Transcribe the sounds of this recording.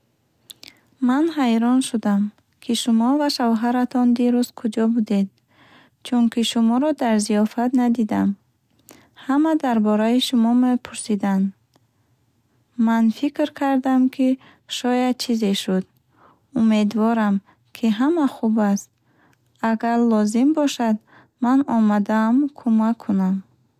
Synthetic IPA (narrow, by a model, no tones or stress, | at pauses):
manɦajɾɔnʃud̪am | kʰiʃumɔvaʃavɦaɾat̪ʰɔnd̪iɾust̪kʰud͡ʒɔbud̪ed̪̚ | t͡ʃʰunkʰiʃumɔɾɔd̪aɾzijɔfat̪nad̪id̪am | hamad̪aɾbɔɾaiʃumɔmepʰuɾsid̪and̪ | manfikɾkʰaɾd̪amkʰi | ʃɔjad̪̚t͡ʃʰizeʃud̪ | umed̪vɔɾam | kʰiɦamaχubast̪̚ | aɡaɾlɔzimbɔʃad̪ | manɔmad̪aːmkʰumakʰːunam